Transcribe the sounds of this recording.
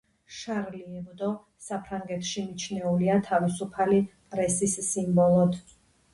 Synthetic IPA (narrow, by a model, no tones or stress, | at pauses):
ʃaɾliɛbd̪ɔ | sapʰɾaŋɡɛt̪ʰʃimit͡ʃʰnɛuliat̪ʰavisupʰalipʼɾɛsisːimbɔlˠɔt̪ʰ